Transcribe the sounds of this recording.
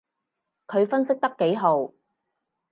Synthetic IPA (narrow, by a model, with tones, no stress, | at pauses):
kʰɵ˨˧ɥfɐ˥nsɪ˥k̚t̪ɐ˥kːe˨˥jɦo˨˧w